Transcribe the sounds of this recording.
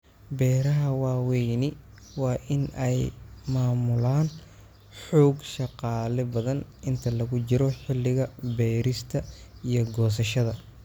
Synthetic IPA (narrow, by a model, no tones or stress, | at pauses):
bɛːɾɐɦɐwɑːwɛjnɪ | wɑːʔɪnɛjmaːmʊlaːn | ħɔːɡʃɑqɑːlɛbɐðɐnʔɪnt̪ʰɐlɐɣʊt͡ʃɪɾɔħɪlːɪɣɐbɛːɾɪst̪ʰɐijɔɡɔːs̬ɐʃɐðɐ